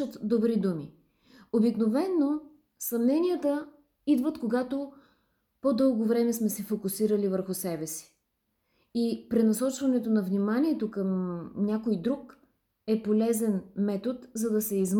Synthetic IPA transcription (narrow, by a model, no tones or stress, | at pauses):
ət̪d̪obɾid̪umi | obiknovɛnːo | sɐmnɛnʲijət̪ə | id̪vət̪koɡat̪o | pod̪ɤlˠɡovɾɛmɛsmɛsɛfokʊsiɾəlivəɾxʊsɛbɛsi̥ | ipɾɛnɐsɔt͡ʃvɐnɛt̪onɐvnimanʲiɛt̪okəmnʲakojd̪ɾuk | ɛpolɛzɛnmɛt̪ot̪zɐd̪ɐsɛizm